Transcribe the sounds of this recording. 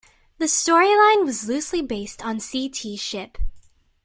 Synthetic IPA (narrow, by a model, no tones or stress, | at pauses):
ðɨstɔɹilãɪ̃nwʌzlʉslibeɪstn̩sitʰiʃɪp